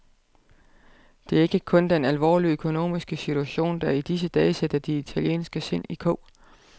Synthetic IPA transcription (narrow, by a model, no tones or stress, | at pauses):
d̥e̝æɐe̝ɡ̥əkʰɔ̽nd̥enælʋɒ̰ːliøkʰo̝no̝̰ːmisɡ̥əsit͡sʰuæɕo̝̰ːnd̥ɑid̥is̬əd̥ɛːsed̥ɐd̥iit͡sʰæljḛːnsɡ̥əse̝n̰ikʰɔʊ̰